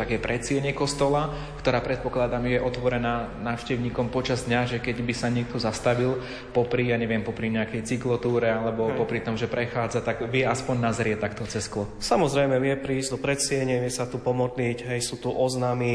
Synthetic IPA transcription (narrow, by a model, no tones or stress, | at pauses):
t̪aɡjɛpɾʔɛt͡sɪɛɲɛkɔst̪ɔla | kt̪ɔɾaːpɾɛt̪̚pɔklad̪amɛjɛʔɔt̪ʋɔɾɛnaːnaːʊʃcɛʊɲiːkɔmpɔt͡ʃazd̪ɲaʒɛkɛɟbisaɲɪɛk̚t̪ɔzast̪aʋil | pɔpɾijaɲɛʋɪɛmpɔpɾiɲɛakɛjt͡siklɔt̪uːɾɛalɛbɔpɔpɾit̪ɔmʒɛpɾɛxaːd͡zat̪aɡʋɪɛaspɔɲnazɾɪɛt̪akt̪ɔt͡sɛsklɔsamɔzɾɛjmɛʋɪɛpɾiːzɟd̪ɔpɾɛt͡sɪɛɲɪɛʋɪɛsat̪upɔmɔd̪nicɦɛjsuːt̪uʔɔznami